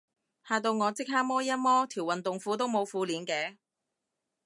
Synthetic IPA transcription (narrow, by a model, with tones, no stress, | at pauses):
haː˧t̪o˧wŋɔː˨˧t͡sɪ˥k̚haː˥k̚mɔː˥jɐ˥mɔː˥t̪ʰiː˨˩wɐ˨nt̪ʊ˨ŋfuː˨˥t̪o˥wmo˨˧wfuː˧liː˨˧nkɛː˨˥